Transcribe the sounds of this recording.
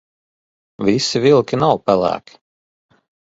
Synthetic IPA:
vʲisivilˠkʲinawpælˠæ̰ːkʰʲi̥

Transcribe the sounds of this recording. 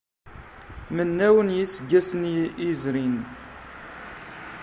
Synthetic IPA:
mənːæwənjisəɡːæsənizɾin

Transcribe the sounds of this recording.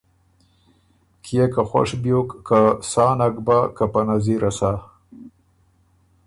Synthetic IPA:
kʰijekaxwa̰ʂbjokːasɑːnaɡbakapanaziɾʔasa

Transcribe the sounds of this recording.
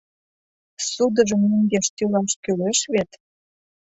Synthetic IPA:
sud̪əʒə̆mneŋɡeʃt̪ylɑʃkyleʃβet̪

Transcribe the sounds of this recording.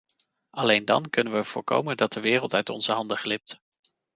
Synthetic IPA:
ɑlejndɑ̰nkɵnənʋəɹv̥ʊːɹko̰wməndɑt̚dəʋɪːrəlˠtœɥtɔ̰nz̥əɦɑndəχlɪp̚t

